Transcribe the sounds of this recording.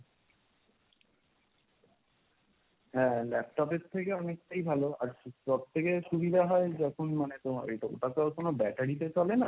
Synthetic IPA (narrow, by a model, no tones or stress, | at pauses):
ɦɛ̃lɛp̚ʈɔpeɾt̪ʰːekeɔnek̚ʈajbʱaloaɾpɾob̚t̪ʰːekeʃubid̪ʱaɦɔed͡ʑɔkʰonmanet̪oma̰ɾḛʈaoʈakaokonobɛʈaɽit̪̬et͡ɕɔlena